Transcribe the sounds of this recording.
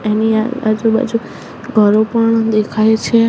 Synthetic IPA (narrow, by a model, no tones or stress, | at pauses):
eniaa̰d͡ʒuba̰d͡ʒu | ɡʱəɾopəɳd̪ekʰajet͡ʃʰe